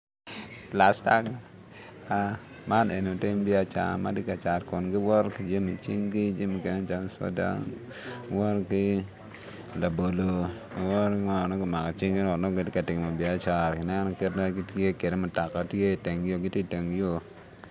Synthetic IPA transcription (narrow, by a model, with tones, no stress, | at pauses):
la˨sta˦ɡa˦ | a˨ | ma˦ne˨n˨o˨tɪ˦mbɪ˦a˦t͡ʃa̰˨ma̰˦dɪ˦ka˨t͡ʃa˨ɾkɔ˨nɡɪ˦wɔ˦ɾki˦d͡ʒa˦mi˨t͡ʃḭ˦ŋɡi˦d͡ʒi˦mi˨ke˨ne˦t͡ʃa˦ŋ˦sɔ̰˦da̰˦ŋ | wɔ˦ɾkɪ˦ | la˨bo˨lo˨ | a˨wɔ˦ɾkŋa˦˨nɔ˦ɡɔ˨ma˨ka˨t͡ʃi˦ŋɡi˦nɔ˨nɔ˦ɡɪ˨tɪ˦ka˨tɪ˨ŋ˨ma˨bɪ˨a˦t͡ʃa˨ɾkɪ˨nɛ˦nɔ˦ke˦tna˦ki˦te˦ke˨de˦mɔ˨ta˨ka˨tje˦˨te˨ŋjo˦ɡɪ˦ti˦te˨ŋjo˦